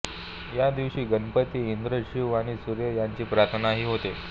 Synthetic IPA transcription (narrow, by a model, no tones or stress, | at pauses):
jad̪iʋɕiːɡənpət̪ːiind̪ɾəɕiʋaɽ̃isuɾjəjaɲt͡ɕiːpɾat̪ʰənaɦiːɦot̪e